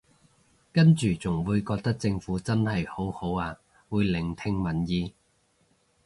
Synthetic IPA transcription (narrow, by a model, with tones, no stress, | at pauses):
kɐ˥nt͡ʃyː˨t͡sʊ˨˩ŋwuː˨˧jkɔː˧k̚t̪ɐ˥k̚t͡sɪ˧ŋfuː˨˥t͡sɐ˥nhɐ˨jho˨˥who˨˥waː˧ | wuː˨˧jlɪ˨˩ŋt̪ʰɪ˧ŋmɐ˨˩njiː˧